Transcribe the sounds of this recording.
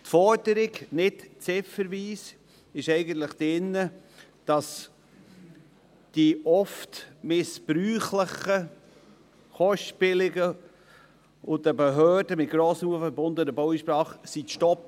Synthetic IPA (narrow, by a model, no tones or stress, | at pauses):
tfɔɾdəɾɪɡnɪtt͡sɪfəɾviːs | ɪʃɛɪɡənt̪ləχd̥ɪnːə | d̥ɑs | d̥iɔftmɪspɾyːχləχə | χɔʃtpɪlɪɡə | ʊdəbəɦœːd̥əmɪt̚ɡ̥ɾɔːsnuːfəbʊnd̪ənəbɔwiʃpɾɑːχsitʃtɔp̚